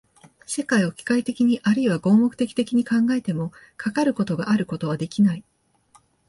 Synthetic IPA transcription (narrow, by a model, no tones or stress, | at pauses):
se̞kaio̞kʲi̥kait̪e̞kʲiɲ̟iʔaɾɯ̟iβaɡo̞ːmo̞kɯ̟t̪e̞kʲi̥t̪e̞kʲiɲ̟ikãŋɡae̞t̪e̞mo̞ | kʰakaɾɯ̟ko̞t̪o̞ɡaʔaɾɯ̟ko̞t̪o̞β̞ad̪e̞kʲinai